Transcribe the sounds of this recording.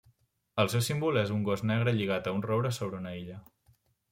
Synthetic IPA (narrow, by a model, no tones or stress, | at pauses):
əlˠsewsimbulezuŋɡɔznɛɣ̞ɾəʎiɣ̞at̪əunrɔβɾəsoβ̞ɾəunəiʎə